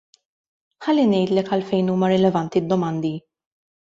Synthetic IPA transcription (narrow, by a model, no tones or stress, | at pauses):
ħɐlːinɛjt̪lɛkɐlfɛjnuːmɐɾɪlɛvɐnt̪id̪ːɔmɐnd̪i